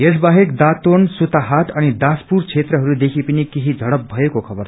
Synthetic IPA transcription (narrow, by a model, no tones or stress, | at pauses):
jes̬baɦekd̪at̪onsut̪aɦat̪ʌnid̪aspuɾt͡sʰet̪rʌɦʌɾud̪ekʰipinikiɦid͡zʱʌɽʌp̚bʱʌjekokʰʌbʌr